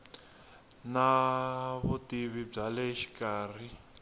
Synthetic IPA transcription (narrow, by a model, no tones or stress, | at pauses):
na | βutiβib͡ʐalɛʃi̥kaːr̤i